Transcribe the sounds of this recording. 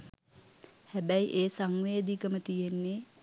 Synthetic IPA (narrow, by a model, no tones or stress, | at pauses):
hæbæjiʔeːsaŋʋeːd̪ikəmət̪ijenːe